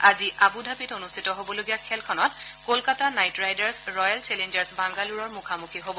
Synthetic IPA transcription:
aziʔabudʱabitonustʰitɔɦobɔloɡijakʰɛlkʰɔnɔtkolkatanajtɹajdaɹsɹɔjalt͡ʃɛlend͡ʒaɹsbaŋɡaluɹɔɹmukʰamukʰiɦobɔ

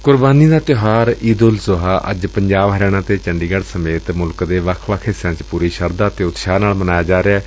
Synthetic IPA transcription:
kʊɾbaːniːd̪aːt̪joːɦaːɾiːd̪ʊlsʊɦaːʔə̰d͡ʒpəɲd͡ʒaːbɦəɾɛːɽ̃ãːt̪eːt͡ʃəɳɖiːɡəɽsəmeːt̪mʊlkd̪eːʋəkʰʋəkʰɪsãːt͡ʃpuːɾiːʃəɾd̪aːt̪eːʊt̪ʃaːnaːlmənaːjaːd͡ʒaːɾeaː

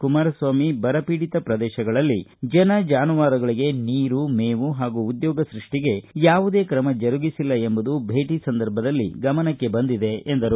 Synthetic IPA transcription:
kumaːɾɐsʋaːmibɐɾɐpiːɽit̪ɐpɾɐd̪ɛːʃɐɡɐɭɐlːid͡ʒɐnɐd͡ʒaːnuʋaːɾɐɡɐɭiɡe̞niːɾumeːʋuɦaːɡuːd̪jɔːɡɐsɾiʂʈiɡe̞jaːʋud̪eːkɾɐmɐd͡ʒɐɾuɡisilːɐe̞mbud̪ubʱe̞ːʈisɐnd̪ɐɾbʱɐd̪ɐlːḭɡɐmɐnɐkːe̞bɐnd̪id̪e̞end̪ɐɾu

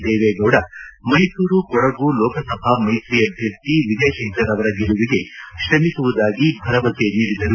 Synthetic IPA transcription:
d̪eːʋeːɡɐːɽɐmɐjsuːɾukɔɽɐɡulɔːkɐsɐbʱamɐjsɾijɐbʱjɐɾt̪iʋid̪eːʃɐŋkɐɾɐʋɐɾɐɡɛɭuʋiɡe̞ʃɾɐmisuʋud̪aːɡibʱɐɾɐʋɐseniːɽid̪ɐlu

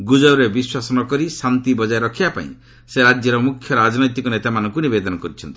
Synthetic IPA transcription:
ɡud͡ʒɔɾebiswasɔnɔkɔɾisant̪ibɔd͡ʒaeɾɔkʰibapa̰ḭ̃ | seɾad͡ʒjɔɾɔmukʰjɔɾad͡ʒɔnɔjt̪ikɔnet̪amanɔŋkunibed̪ɔnɔkɔɾit͡ʃʰɔnt̪i̥

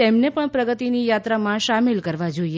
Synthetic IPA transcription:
emnepəɳpɾəɡət̪inijat̪ɾamãʃamɪlkəɾʋad͡ʒoie

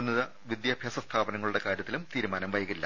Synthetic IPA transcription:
nːɐðɐ | ʋid̪jaːbʱjaːsɐst̪ʰaːbɐnɐŋːɐɭuɽe̞kaːɾjɐt̪ːilumt̪iːɾumaːnɐmʋɐjɐɣilːɐ

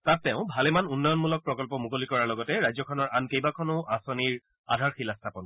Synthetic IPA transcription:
tat̚ːɛʊ̃bʱalemanunːɔjɔnmulɔk̚pɹɔkɔlpɔmukolikɔɹaɹlɔɡɔtɛɹajzɔkʰɔnɔɹankejbakʰɔnʊʔasɔniɹ | a̰dʱaɹxilastʰapɔn

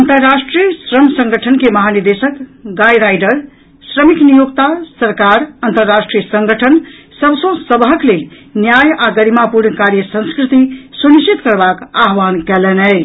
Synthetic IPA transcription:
ənt̪əɾːasʈɾijəsɾəmsə̃ŋɡʱəʈʰənkeməɦaniɾd̪esəkɡajɾajɖəɾ | sɾəmiknijoɡt̪asəɾkaɾənt̪əɾːasʈɾijəsəŋɡʱəʈʰən | səbsə̃səbɦəklelnjajaɡəɾimapuɾnkaɾjəsə̃nskɾit̪isuniʃt͡ʃit̪kəɾbakaɦʋankɛlɛnə

